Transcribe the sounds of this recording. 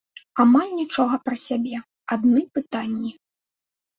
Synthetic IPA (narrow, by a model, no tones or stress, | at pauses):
amalʲnʲit͡ʂɔɣɐpɾɐsʲabʲɛ | ad̪nɨpɨt̪anʲːi